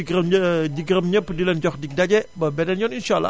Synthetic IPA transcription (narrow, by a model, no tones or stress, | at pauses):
ɡmd͡ʒiɡɾəmɲapədiland͡ʒɔkdik̚dad͡ʒɛbəbɛdanjɔninʃa̰lːa̰